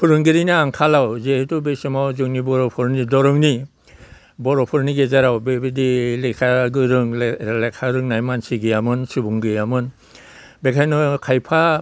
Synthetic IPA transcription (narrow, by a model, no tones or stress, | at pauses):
pʰuɾɯŋɡiɾinaːŋkʰalawzeetubesɔmawzɯŋnibɔɾɔpʰɔɾnidɔɾɔŋni | bɔɾɔpʰɔɾniɡezaɾawbebidilekʰaɡɯɾɯŋlekʰaɾɯŋnajmansiɡijamɯnsubuŋɡɯjamɯn | bekʰajnɔkʰajpʰa